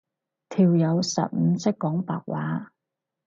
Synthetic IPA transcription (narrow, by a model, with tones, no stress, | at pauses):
t̪ʰiː˨wjɐ˨˧wsɐ̰˨p̚m̩˨˧t͡sɐ˥kːɔː˨˥ŋpa̰ː˨k̚waː˨˥